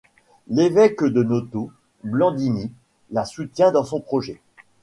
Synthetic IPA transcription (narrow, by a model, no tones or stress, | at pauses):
levɛkd̪ənɔt̪o | blɑ̃d̪ini | lasut̪jɛ̃d̪ɑ̃sɔ̃pχɔʒɛ